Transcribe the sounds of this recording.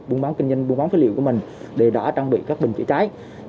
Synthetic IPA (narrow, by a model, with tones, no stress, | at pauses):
ɓu˧əɓaː˨˦wkï˧ŋ̟zə˧jŋɓu˧ŋɓa˨˦nfi˨˦lḭ˧˨wku˧˩əmï˨˩ŋ̟ | ɗe˧˨˩ɗɔ̰˧˩t͡ɕaː˧ŋɓḭ˧˨kaː˦˥k̚ɓi˨˩ŋ̟t͡ɕḭ˧˥t͡ɕaː˨˦j